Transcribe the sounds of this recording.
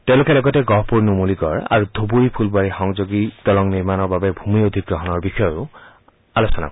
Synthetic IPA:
tɛ̃ʊ̃lokɛlɔɡɔtɛɡɔpoɹnumoliɡɔɹa̰ɹudʱobuɹipʰulbwaɹixɔŋzoɡidɔlɔŋniɹmanɔɹbabɛbʱumiod̪ʱik̚ɡɹɔɦɔnɔɹbixɔjɔʊ | alosɔna̰k

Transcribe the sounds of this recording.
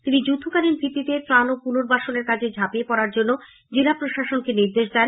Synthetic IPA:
t̪inid͡ʑud̪ʱukaɾinbʱit̪ːit̪et̪ɾanopunoɾbaʃoneɾkat͡ɕʰed͡ʑʱapiepɔɾaɾd͡ʑonːo | d͡ʑilapɾoʃaʃonkeniɾd̪eʃd̪ɛn

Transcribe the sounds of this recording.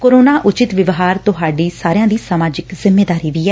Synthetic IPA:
koːɾoːnaːʔʊt͡ʃɪt̪ʋɪʋɦaːɾt̪ʊɦaːɖiːsaːɾejãːd̪iːsəmaːd͡ʒɪkzɪmːeːd̪aːɾiːʋiːɛː

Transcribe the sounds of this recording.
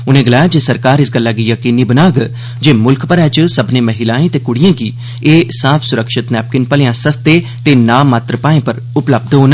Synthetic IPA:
ʊnẽːɡəlaːjad͡ʒeːsəɾkaːɾɪsɡəlːaːɡijəkiːniːbənaːɡ | d͡ʒeːmʊlkʰpəɾɛ̃ːt͡ʃsəbneːməɦɪlaːẽːt̪eːkʊɽɪjãːɡiː | eːsaːpʰsʊɾəkʃɪt̪nɛːp̚kɪnpəlejãːsəst̪eː | t̪eːnãːmːaːt̪ɾəpaːẽːpəɾ | ʊpləb̚d̪ɦoːn

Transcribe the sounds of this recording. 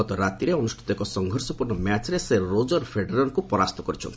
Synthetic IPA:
ɔt̪ɔɾat̪iɾeɔnusʈʰi̥t̪ɔekɔsɔŋɡʱɔɾsɔpuɾɳɔmjat͡ʃɾeseɾod͡ʒɔɾpʰeɖeɾɔnkupɔɾast̪ɔkɔɾit͡ʃʰɔ̰nt̪i

